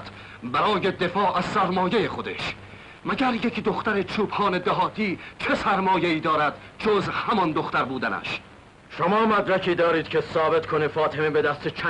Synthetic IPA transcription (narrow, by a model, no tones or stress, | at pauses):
t̪ʰ | bæɾɒːjed̪e̞fɒːʔæz̥sæɾmɒːjejeχo̞d̪ḛʃ | mæɟæɾje̞kd̪o̞xt̪æɾet͡ʃʰuːbhɒːne̞d̪æɦɒːt̪ʰiːt͡ʃʰe̞sæɾmɒːje̞iːd̪ɒːɾæd̪̥ | d͡ʒozhæmɒnd̪oxt̪æɾbuːd̪ænæ̰ʃ | ʃomɒːmæd̪ɾækʰiːd̪ɒːɾiːd̪̚cʰʲesɒːbe̞t̪kʰonefɒːt̪ʰemebed̪æst̪et͡ʃʰæ